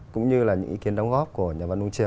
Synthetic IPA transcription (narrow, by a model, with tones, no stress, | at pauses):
kʊ̰˧˥ŋ͡mɲɨ˧laː˨˩ɲɨ̰˧˥ŋʔḭ˧ki˨˦ənɗɔ˨˦wŋ͡mɣɔ˦˥p̚ku˧˩əɲaː˨˩va˧nu˧ŋ͡mt͡ɕɨ˨˩˨